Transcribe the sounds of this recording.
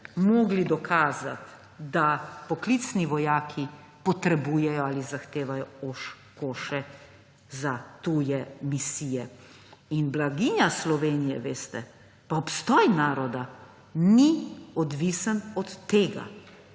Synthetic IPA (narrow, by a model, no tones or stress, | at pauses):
mɔːɡlid̪ɔkʰaːza̰t̪ | d̪apɔklit̪sniʋɔjaːkʰi | pɔt̪ɾɛbuːjɛjɔalizaxt̪eːʋajɔoʃ | koːʃɛ | zat̪uːjɛmisiːjɛ | inblaɡiːɲaslɔʋeːnijɛ̰ʋeːst̪ɛ | paɔpst̪ɔːjnaːɾɔd̪a | niɔd̪ʋisənɔt̪ːeːɡa̰